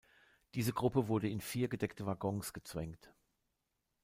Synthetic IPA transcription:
d̥iːzəɡʁʊpəvʊɐdəɪnfiːɐɡədɛktəvaɡɔŋsɡ̥ət͡sv̥ɛŋkt

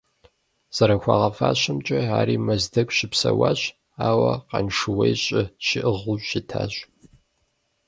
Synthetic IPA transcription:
z̥ɐɾɐxʷɑʁɐfaːɕɐmt͡ʃʼɐaːɾiːmɐzdɐkʷʼʃɪpsɐwaːɕ | aːwɐqɑ̰nʂɨwejɕʼɪʃɪʔɨʁʊɕɕɪtʰaːɕʼ

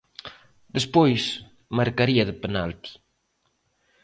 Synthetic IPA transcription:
d̪espojs | maɾkaɾiaðepenalt̪i̥

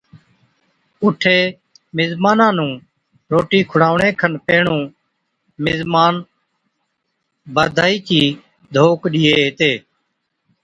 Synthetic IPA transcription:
ʊʈʰeː | mɪzmaːnãːnũː | ɾoːʈiːkʰʊɽaːʋɳẽːkʰənpeːɳũː | mɪzmaːn | bəd̪ʱaːiːt͡ʃiː | d̪ʱoːkɗɪːeːɦɪt̪eː

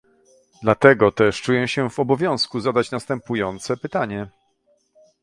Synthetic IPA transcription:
d̪lat̪ɛɡɔt̪ɛʂt͡ʂujɛɕɛvɔbɔvʲjɔ̃w̃skuzad̪at͡ɕnast̪ɛmpujɔnt̪sɛpɘt̪aɲɛ

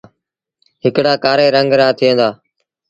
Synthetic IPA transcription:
ɦɪkɽaːkaːɾeːɾəŋɡɾaːt̪ʰɪjə̃nd̪aː

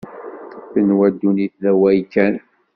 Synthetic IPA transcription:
fənwæd̪ːuniθðæwæjkːæn

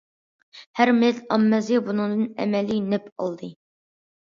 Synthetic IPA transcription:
hæɾmelɑmːɛzɨbunɨŋd̪ɨnɛ̰mɛlinɛpʰɑ̰lˠd̪ɨ

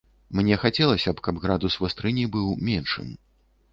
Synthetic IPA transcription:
mnʲɛxat͡sʲɛlˠɐsʲɐpkabɣɾad̪usvɨst̪ɾɨnʲibɨwmʲɛnʂɨ̰m

